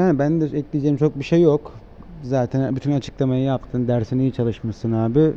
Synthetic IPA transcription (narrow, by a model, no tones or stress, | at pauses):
janibænd̪ɛɛclʲid͡ʒeimt͡ʃʰo̞k̚biʃejːok | zaːt̪ʰænbyt̪ʰynat͡ʃʰɯ̥klˠamajɯjap̚t̪ʰɯːnd̪æɾsinijit͡ʃʰalˠɯʃmasɯnaːbɪ